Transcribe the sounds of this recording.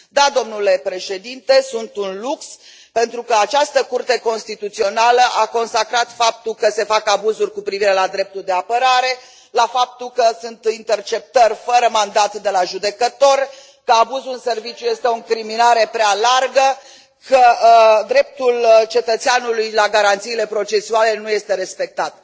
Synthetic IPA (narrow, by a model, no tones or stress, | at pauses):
d̪ad̪o̞mnule̞pɾe̞ʃe̞d̪int̪e̞sunt̪unluks | pe̞nt̪ɾukəat͡ʃast̪əkurt̪e̞ko̞nst̪it̪ut̪sio̞naləʔako̞nsakɾat̪fap̚t̪ulkəse̞fakabuzurʲkupɾiviɾe̞lad̪ɾe̞p̚t̪uld̪e̞apəɾaɾe̞ | lafap̚t̪ulkəsunt̪int̪e̞rt͡ʃe̞p̚t̪ərʲfəɾəmand̪at̪d̪e̞laʒud̪e̞kət̪o̞r | kəabuzuɨnse̞rvit͡ʃjuje̞st̪e̞oŋkɾiminaɾe̞pɾealarɡə | kəd̪ɾe̞p̚t̪ult͡ʃe̞t̪ət̪seanulujlaɡaɾant̪siːle̞pɾo̞t͡ʃe̞suale̞nuje̞st̪e̞ɾe̞spe̞k̚t̪at̪